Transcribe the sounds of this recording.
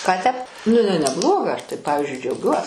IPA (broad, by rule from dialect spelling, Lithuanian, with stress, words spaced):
ˈkɑː tʲɛp nʊ ɪˈnɐɪ nʲɛˈblˠoːɡɐ ˈɐʃ tɐɪ ˈpɑːʋʲɪzʲd͡ʒʲʊɪ d͡ʒʲɛʊˈɡʲuɔs